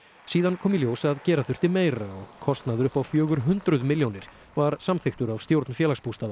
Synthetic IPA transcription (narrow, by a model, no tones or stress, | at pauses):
siːðankʰɔːmɪljoːwsaðcɛːɾaθʏr̥t̪ɪmeːjɾaɔɣkʰɔst̪naðʏɾʏhpawfjœːɣʏɾ̥ɦʏnt̪ɾʏðmɪljownɪɾ̥ | vaɾsamθɪxt̪ʏɾavst̪jowɾt̪nfjɛːlaxspust̪aða